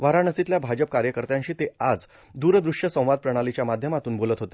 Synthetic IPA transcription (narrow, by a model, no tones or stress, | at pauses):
ʋaɾanəsit̪ljabʱad͡ʑəp̚kaɾjəkəɾt̪jãɲɕiːt̪ead͡z | d̪uːɾd̪ɾuʂjəsə̃w̃ʋad̪̚pɾəɽ̃alit͡ɕjamad̪ʱjəmat̪uːnbolət̪ɦot̪e